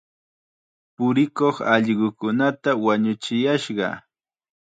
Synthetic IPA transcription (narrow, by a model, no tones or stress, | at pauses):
pʊɾɪkoχɑʎɢʊkʊnat̪awaɲʊt͡ʃɪjaʃɢɑ̰